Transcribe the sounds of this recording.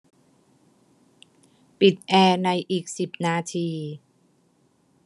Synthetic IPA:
pi˨˩t̪̚ʔɛː˧na˧jʔiː˨˩k̚si˨˩p̚naː˧t̪ʰiː˧

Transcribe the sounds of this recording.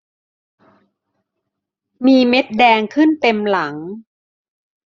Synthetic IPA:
miː˧me˦˥t̪̚dɛː˧ŋkʰɯ˥˩nt̪e˧mla˩˦ŋ

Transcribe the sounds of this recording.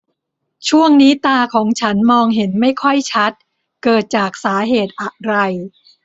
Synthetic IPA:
t͡ɕʰu˥˩əŋniː˦˥t̪aː˧kʰɔː˩˦ŋt͡ɕʰa˦˥nmɔː˧ŋɦe˩˦nma˥˩jkʰɔ˥˩jt͡ɕʰa˦˥t̪̚ | kɤː˨˩t̪̚t͡ɕaː˨˩k̚saː˩˦ɦeː˨˩t̪̚ʔa˨˩ɾa˧j

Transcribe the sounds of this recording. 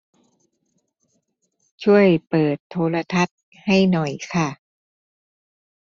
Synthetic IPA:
t͡ɕʰu˥˩əjpɤː˨˩t̪ʰːoː˧˥la˧t̪ʰa˦˥t̪̚ | ha˥˩jnɔ˨˩jkʰa˥˩

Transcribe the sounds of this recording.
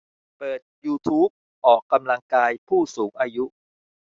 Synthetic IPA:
pɤː˨˩t̪̚juː˧t̪ʰuː˦˥p̚ | ʔɔː˨˩kːa˧mla˧ŋkaː˧jpʰuː˥˩suː˩˦ŋʔaː˧ju˦˥

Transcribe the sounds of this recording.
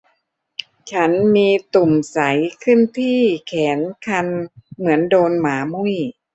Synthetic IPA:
t͡ɕʰa˦˥nmiː˧t̪u˨˩msa˩˦jkʰɯ˥˩nt̪ʰiː˥˩kʰɛː˩˦nkʰa˧nmɯ˩˦əndoː˧nmaː˩˦mu˥˩j

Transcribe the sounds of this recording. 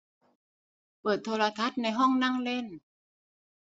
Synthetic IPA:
pɤː˨˩t̪ʰːoː˧la˧t̪ʰa˦˥t̪̚na˧jɦɔ˥˩ŋna˥˩ŋle˧˥˩n

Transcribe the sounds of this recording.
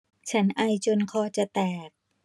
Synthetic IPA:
t͡ɕʰa˦˥nʔa˧jt͡ɕo˧nkʰɔː˧t͡ɕa˨˩t̪ɛː˨˩k̚

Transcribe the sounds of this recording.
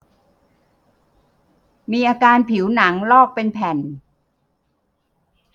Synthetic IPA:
miː˧ʔaː˧kaː˧npʰi˩˦wna˩˦ŋlɔː˥˩k̚pe˧npʰɛ˨˩n

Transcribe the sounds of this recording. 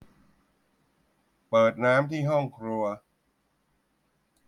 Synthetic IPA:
pɤː˨˩t̪̚naː˦˥mt̪ʰiː˥˩ɦɔ˥˩ŋkʰɾu˧ɐ

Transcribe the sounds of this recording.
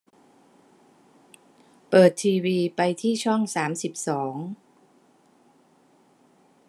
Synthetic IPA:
pɤː˨˩t̪ʰːiː˧wiː˧pa˧jt̪ʰiː˥˩t͡ɕʰɔ˥˩ŋsaː˩˦msi˨˩p̚sɔː˩˦ŋ

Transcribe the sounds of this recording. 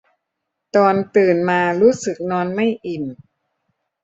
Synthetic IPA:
t̪ɔː˧nt̪ɯː˨˩nmaː˧ɾuː˦˥sɯ˨˩k̚nɔː˧nma˥˩jʔi˨˩n

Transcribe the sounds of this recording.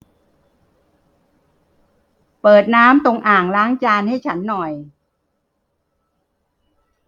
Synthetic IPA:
pɤː˨˩t̪̚naː˦˥mt̪o˧ŋʔaː˨˩ŋɾaː˦˥ŋt͡ɕaː˧nha˥˩jt͡ɕʰa˦˥nːɔ˨˩j

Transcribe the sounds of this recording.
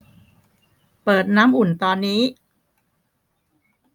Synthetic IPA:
pɤː˨˩t̪̚naː˦˥mʔu˨˩nt̪ɔː˧nːiː˦˥

